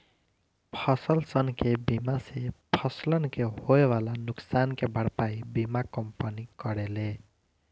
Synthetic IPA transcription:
pʰʌsʌlsʌnkebimasepʰʌslʌnkehoewalanʊksankebʱʌɽpaibimakʌmpʌnikʌɾele

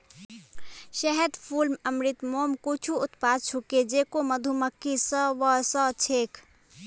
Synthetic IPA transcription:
ʃəɦɛd̪pʰulməmɾit̪momkut͡ʃʰuʊt̪pad̪̚t͡ʃʰuked͡ʒekoməd̪ʱuməkːisəʋəsət͡ʃʰeːkʰ

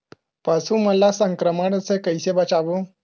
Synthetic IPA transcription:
pasũːməlasəŋkɾəməɽəsekəjsebat͡ɕaʋo

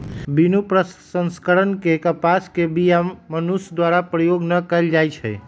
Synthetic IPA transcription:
binupɾəsə̃nskəɾənkekəpaskebijamənusd̪waɾapɾəjoɡnəkəjld͡ʒajt͡ʃʰɛ̰

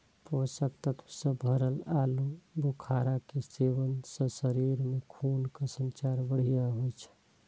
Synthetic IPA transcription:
posəkt̪ət̪ʰsəbʱəɾəlalubʱukʰaɾakeseʋənsə̃səɾiɾmekʰunkəsə̃nt͡ʃaɾbəɽ̤ijaɦojt͡ʃʰɛ̥

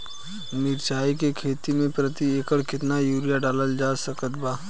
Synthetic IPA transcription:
mɪɾt͡ʃaːikekʰeːt̪imẽpɾət̪ieːkəɽkɪt̪najuːɾijaɖaːləld͡ʒaːsɐkət̪̚baː

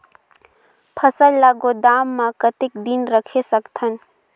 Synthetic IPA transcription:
pʰəsəlːaɡod̪aːmːãkət̪ɪk̚d̪inɾəkʰesəkt̪ʰən

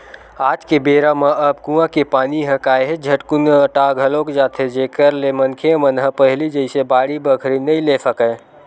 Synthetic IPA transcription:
aːd͡ʒkebeːɾamə̃ʔəbkũãkepaːniɦə̃kaːjɦed͡ʒʱəʈkunəʈaɡʱəlokd͡ʒaːt̪ʰed͡ʒekəɾlemənkʰeəmənɦə̃pəɦlid͡ʒəɪsebaːɽibəkʰɾinəĩlesəkə

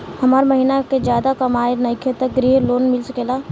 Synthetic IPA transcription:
hɐmaːɾməɦiːnaked͡ʒjaːd̪akɐmaːenɐɪkʰet̪əkɾiːloːnmɪlsəkelaː

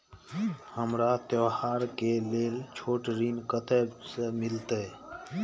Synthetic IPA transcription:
həmɾaːt̪joːhaːɾkeːleːlt͡ʃʰoːʈɾiːnkət̪eːsemɪlt̪eː

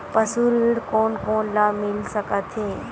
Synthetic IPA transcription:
pəsuɾiːɽkoːnkoːnlaːmɪlsəkət̪ʰeː

